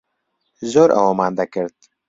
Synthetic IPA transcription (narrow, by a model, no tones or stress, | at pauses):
zoɾʔa̰womaːnd̪akəɾd̪̚